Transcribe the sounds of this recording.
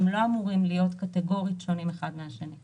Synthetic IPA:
emlo̞amuʁimlijo̞tkateɡo̞ʁitʃonimeχadmeaʃeni

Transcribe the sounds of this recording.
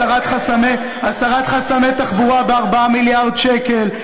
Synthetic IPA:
aʁat̪χasame | asaʁat̪χasamet̪aχbuʁabeaʁbaamiljaʁdʃeke̞l

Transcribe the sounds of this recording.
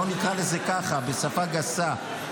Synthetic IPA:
onikʁalezekaχabesafaɡasa

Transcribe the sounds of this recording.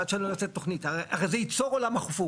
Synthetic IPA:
at͡ʃenlonat͡set̪ːoχnitaaʁejzejit͡soʁolamhaχufu

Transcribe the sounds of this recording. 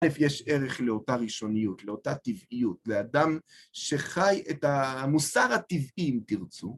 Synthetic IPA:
lefjeʃe̞ʁeχleotaʁiʃo̞nijutleotat̪ivijutlead̪am | ʃe̞χajet̪amusaʁhat̪ivimt̪iʁt͡su

